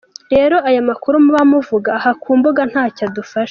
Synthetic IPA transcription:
ɾe̞ːɾo̞ajamakuɾumuβamuvuɡaːhakʰuːmbuɡan̥haːcadufaʃ

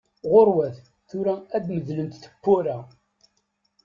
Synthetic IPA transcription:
ʁoɾwæθ | θʊɾææd̪məðlənt̪θə̥pːʊɾæ

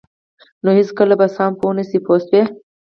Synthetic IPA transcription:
nohiskəlabasɑːmponəsipʰost̪̚we

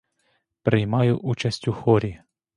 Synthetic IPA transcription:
pɾɪjmɑjʊʔut͡ʃɐsʲtʲʊxɔɾʲi

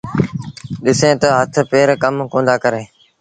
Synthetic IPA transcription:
ɗɪsẽːt̪əɦət̪ʰpeːɾkəmkõːnd̪aːkəɾẽː

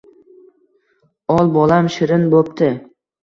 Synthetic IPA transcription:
ɒlˠbɒlamʃɪɾɪnbop̚t̪ʰɪ

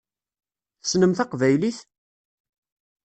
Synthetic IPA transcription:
θə̥snəmθɑqvæjliθ

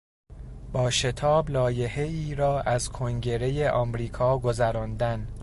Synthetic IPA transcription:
b̥ɒːʃe̞t̪ʰɒːblɒːje̞he̞iːɾɒːʔæzkʰoŋɟe̞ɾe̞jeʔɒːmɾiːkʰɒːɡozæɾɒːnd̪æn

